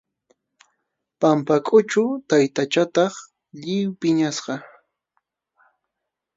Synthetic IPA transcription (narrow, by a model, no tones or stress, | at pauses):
pampakʼʊt͡ʃʊt̪ajt̪at͡ʃat̪ɑχ | ʎɪwpɪɲasɢɑ